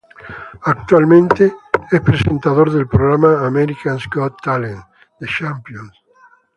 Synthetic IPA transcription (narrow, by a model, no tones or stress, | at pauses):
ak̚t̪walmẽnt̪eespɾesẽnt̪aðoɾðelpɾoɣɾamaːmeɾikanskot̪ːalẽn | d̪eʃampjõns